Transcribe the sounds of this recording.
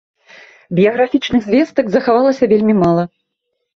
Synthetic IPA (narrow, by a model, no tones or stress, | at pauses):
bʲijɐɣɾafʲit͡ʂnɨɣzʲvʲɛst̪ɐɡzɐxavalˠɐsʲɐvʲelʲmʲimalˠɐ